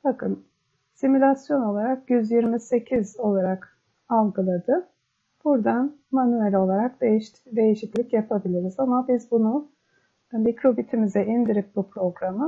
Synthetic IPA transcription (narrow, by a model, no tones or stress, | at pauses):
bakʰɯn | simulʲasjo̞no̞lˠaɾakjyzjiɾmise̞cʰizo̞lˠaɾak | alˠɡɯlˠad̪ɯ | b̥uɾd̪anmanyelʲo̞lˠaɾak̚d̪eʃ | d̪e̞jeʃiclʲicjapʰabilʲiɾizamabizbunu | mikɾo̞bit̪ʰimizɛind̪iɾip̚bupɾo̞ɡɾamɯ